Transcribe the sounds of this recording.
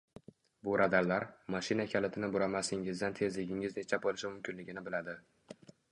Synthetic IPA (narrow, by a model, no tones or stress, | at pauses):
bʊɾʔad̪aɾlaɾmaʃɪnakʲʰalɪt̪ʰɪnɪbʊɾamasɪŋɪzd̪ant̪ʰe̞zlɪɡʲɪŋɪznet͡ʃʰab̚bolɪʃɪmʊmkʲɪnlɪɡʲɪnɪbɪlad̪ɪ